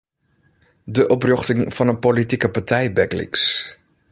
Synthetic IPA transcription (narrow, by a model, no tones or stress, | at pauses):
dəʔɔprøχtɪŋfɑnənpolitikəpaɹtʰɛjbɛklḭks